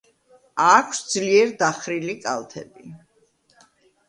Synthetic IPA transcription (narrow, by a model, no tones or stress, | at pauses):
akʰsd̪zliɛɾd̪aχɾilikʼa̰lˠt̪ʰɛbi